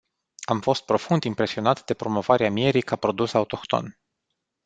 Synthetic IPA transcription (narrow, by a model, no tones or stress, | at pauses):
amfo̞st̪̚pɾo̞fund̪impɾe̞sio̞nat̪d̪e̞pɾo̞mo̞vaɾeamie̞ɾikapɾo̞d̪usaut̪o̞kt̪o̞̰n